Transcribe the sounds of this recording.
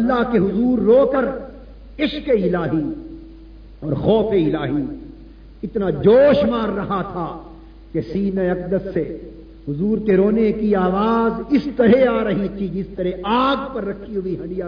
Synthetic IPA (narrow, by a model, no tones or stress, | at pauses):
ɐlːaɦkeɦʊzuːɾːoːkɐɾ | ɪʃkeɪlaːɦi | ɔːɾxɔːfeɪlaːɦi | ɪt̪nad͡ʒoːʃmaːɾːɐɦat̪ʰa | kesiːnaɐqd̪əsːe | ɦʊzuːɾkeɾoːnekiaːʋaːzɪst̪ɐɾeaːɾɐɦit̪ʰid͡ʒɪst̪ɐɾɛaːɡpɐɾːɐkʰːiɦʊiɦɐnija